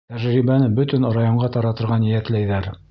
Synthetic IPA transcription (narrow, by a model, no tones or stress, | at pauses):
t̪æʒɾibænɘbɵt̪ɵnŏɾɑjoɴɢɑt̪ɑɾɑt̪ɤ̆ɾʁɑnjɘæklæjðæɾ